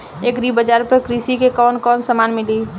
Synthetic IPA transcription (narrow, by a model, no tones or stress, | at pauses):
eːkɾibəd͡ʒaːɾpəkɾisikekɔːnkɔːnsəmaːnmɪli